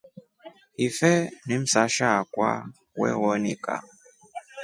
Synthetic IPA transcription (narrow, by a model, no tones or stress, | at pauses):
ifɛnim̩saʃakwa̰ | wɛ̰wɔnika̰